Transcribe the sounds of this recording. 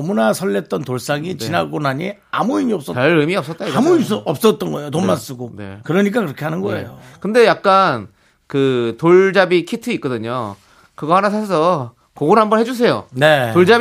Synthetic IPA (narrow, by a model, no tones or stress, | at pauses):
munasʰʌɭːet̚t͈ʌntoɭs͈aŋit͡ɕinaɡonaɲi | a̰muimiʌp̚s͈ʌaɾɯmiʌp̚s͈ʌt̚t͈aiɡmuiʌp̚s͈ʌt̚t͈ʌnɡʌe̞jotommans͈uɡone̞̰kɯɾʌɲik͈akɯɾʌkʰe̞ɦanɯnɡʌḛjokɯnde̞jak̚k͈an | kɯtoɭd͡ʑabikʰitʰɯit̚k͈ʌdɯɲo | kɯɡʌhanasʰasʰʌ | koɡonhambʌnɦed͡ʑus̬ʰe̞jo̰neoɭd͡ʑab